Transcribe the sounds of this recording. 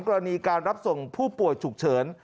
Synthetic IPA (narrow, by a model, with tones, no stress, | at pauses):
ŋkɔː˧ɾa˧niː˧kaː˧nɾa˦˥p̚so˨˩ŋpʰuː˥˩pu˨˩əjt͡ɕʰu˨˩k̚t͡ɕʰɤː˩˦n